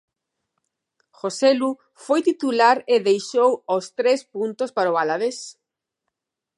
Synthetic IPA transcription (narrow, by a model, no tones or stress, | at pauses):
xoselu | fojt̪it̪ulaɾeðejʃowost̪ɾespunt̪ospaɾoβalaðes